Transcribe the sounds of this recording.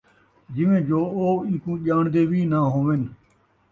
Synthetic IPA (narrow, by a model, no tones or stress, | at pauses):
d͡ʒɪʋẽːd͡ʒoːoːɪ̃kũːʄaːɳd̪eːʋiːnaːɦoːʋɪn